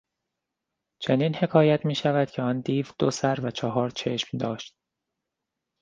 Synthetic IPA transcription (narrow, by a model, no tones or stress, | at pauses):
t͡ʃʰe̞niːnhe̞kʰɒːjæt̪ʰmiːʃævæd̪̥cʰeɒnd̪iːvd̪̥osæɾvæt͡ʃʰɒɦɒːɾt͡ʃʰe̞ʃmd̪ɒːʃt̪̚